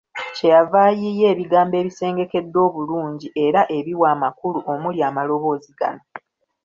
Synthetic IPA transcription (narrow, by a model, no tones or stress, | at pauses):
ce̞javaːjije̞ːβiɡaːmbe̞ːβise̞ːŋɡe̞ke̞dːo̞ːβuluːɲɟiʔe̞ɾaʔe̞βiwaːmakuluʔo̞muljaːmalo̞βo̞ːziɡa̰no̞